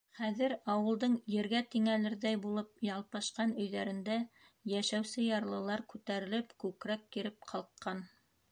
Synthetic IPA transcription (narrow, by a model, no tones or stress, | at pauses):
χæðɘɾɑwɤ̆lˠd̪ɤɴjɘ̆ɾɡæt̪iŋælɘɾðæjbulˠɤp̚jɑlˠpɑʃqɑnɵ̆jðæɾɘ̆nd̪æ | jæʃæwsɘjɑɾlˠɤ̆lˠɑɾkʉt̪æɾɘ̆lɘpkʉkɾækːiɾɘp̚qʰɑlˠqʰqːɑn